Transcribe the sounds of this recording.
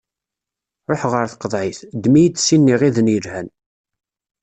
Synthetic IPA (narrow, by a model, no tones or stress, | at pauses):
ɾˤoħʁəɾθə̥qːəðˤʕɪθd̪mijid̪sinːiʁiðənjəɾhæn